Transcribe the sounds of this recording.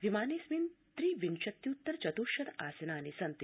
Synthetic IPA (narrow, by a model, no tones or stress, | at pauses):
ʋimaːniːsmint̪ɾiːʋinʃɐt̪ːjut̪ːɐɾt͡ʃɐt̪uːʃɐt̪aːsɐnaːnisɐnt̪